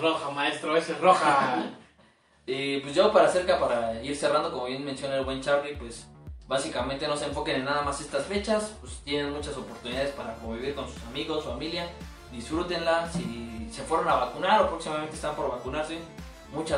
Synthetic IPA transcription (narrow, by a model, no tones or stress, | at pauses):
roxamaest̪ɾoaeseroxa | epwezʝopaɾase̞ɾkapaɾaiɾse̞rand̪o̞ko̞mo̞βje̞nmensjo̞naelɡwent͡ʃaɾlipwe̞sβasikament̪e̞no̞seːɱfo̞kenenːaðamase̞st̪asfe̞t͡ʃaspest̪je̞ne̞nmut͡ʃaso̞po̞ɾt̪uniðaðespaɾako̞mbiβiɾko̞nsu̥samiɣo̞sufamilja | d̪isfɾut̪e̞nlasise̞fwe̞ɾonaβakunaɾopɾo̞ksimament̪est̪ampo̞ɾβakunaɾse | mut͡ʃa